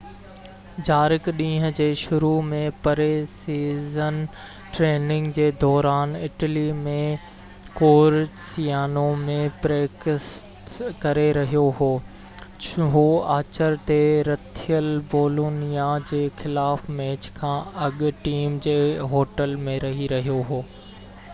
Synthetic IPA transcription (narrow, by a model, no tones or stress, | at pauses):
d͡ʑaːɾɪkɗĩːɦəd͡ʑeːʃʊɾumẽpɐɾesiːzən | ʈɾeːnɪ̃ŋɡd͡ʑeːd̪ɔːɾaːnɪʈəlimẽ | koːɾsijaːnomẽpɾeːksʈkɐɾeɾɐɦijoɦoː | ɦoːaːt͡ɕəɾt̪eɾɐt̪ʰijəlboːloːnijad͡ʑeːxɪlaːfmɛːt͡ɕkʰãːɐɠʈiːmd͡ʑeːɦoːʈəlmẽɾɐɦiɾɐɦijoɦoː